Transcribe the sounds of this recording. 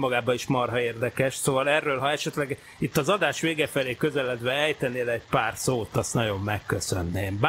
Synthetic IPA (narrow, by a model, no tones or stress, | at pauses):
mːɒɡaːbɒiʃmɒrɦɒeːrd̪ɛkɛʃsoːvɒlɛrːøːlɦɒɛʃɛt̪lɛɡ | it̪ːɒzɒd̪aːʃʋeːɡɛfɛleːkø̞zɛlɛd̪ʋɛɛjt̪ɛneːlɛc̚paːrsoːt̪ɒst̪nɒɟo̞mːɛkːøsønːeːmb